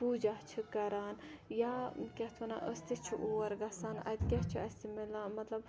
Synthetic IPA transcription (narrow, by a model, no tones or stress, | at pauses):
pud͡ʒaht͡ʃʰikɐɾaːnjaːkʲɐht̪ʰɐna̰ʔəst̪it͡ʃʰiʔoːɐɾɡɐsaːnɐ̰d̪kʲɛɦt͡ʃʰiɐsʲt̪imilãːmɐt̪lɐb